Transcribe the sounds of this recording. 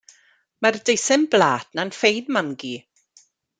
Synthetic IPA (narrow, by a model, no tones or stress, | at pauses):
mardejsɪmblaːtnanfejðmaŋɡi